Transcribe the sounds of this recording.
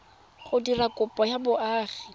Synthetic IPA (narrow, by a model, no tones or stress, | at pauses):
χʊdilakʼʊpʼɔjabʊʔaːχi